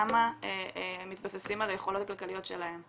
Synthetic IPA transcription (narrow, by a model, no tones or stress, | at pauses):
maeemit̪basesimalaje̞χo̞lo̞t̪akalkalijo̞t̪ʃe̞̰lahe̞m